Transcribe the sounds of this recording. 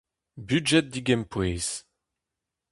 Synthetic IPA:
byd͡ʒɛt̪̚d̪iɡɛmpweːz̥

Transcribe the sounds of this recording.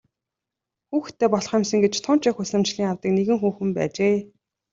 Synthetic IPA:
xuːxt̪ʰːeːpɔɮ̆χɪmsɘ̆ŋɡet͡ɕt̪ʰʊnt͡ɕɪxusɘ̆mt͡ɕɮiːŋawt̪ĭːkneɣɘ̆ŋxuːxɘ̆mpæ̰ːt͡ɕeː

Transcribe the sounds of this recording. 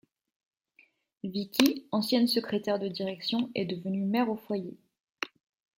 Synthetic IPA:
vikʲiɑ̃sjɛ̃nsəkχet̪ɛʁd̪əd̪iʁɛksjɔ̃ɛ̰d̪əvənymɛʁofwaje

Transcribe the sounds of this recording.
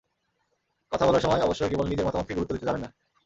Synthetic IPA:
kɔt̪ʰabɔlaɾʃɔmɔeɔboʃːokebolenːid͡ʑeɾmɔt̪amot̪ʰːikɡuut̪ːod̪it̪ed͡ʑabenːa

